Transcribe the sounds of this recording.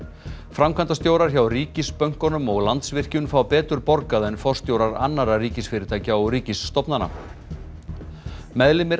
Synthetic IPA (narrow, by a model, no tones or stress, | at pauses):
fɾamkʰant̪ast̪jowɾaɾ̥çawriːcɪspœɥŋ̥kɔnʏmɔɣlant̪svɪr̥cʏnfawpɛːt̪ʏɾpɔɾkaðɛnfɔr̥st̪jowɾaɾa̰nːaɾaɾiːcɪsfɪːɾɪt̪ʰaːjcaɔɾiːcɪsːt̪ɔpnana̰ | mɛðlɪmɪɾ